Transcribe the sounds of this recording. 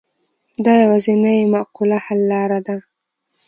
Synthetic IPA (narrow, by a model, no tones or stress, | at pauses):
d̪ɑjawazinajmaqulahalːɑɾad̪a